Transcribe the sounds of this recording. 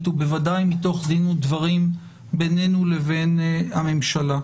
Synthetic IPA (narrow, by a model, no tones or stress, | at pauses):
t̪ube̞vadajmit̪o̞χd̪inud̪vaʁim | bene̞nule̞ve̞name̞mʃala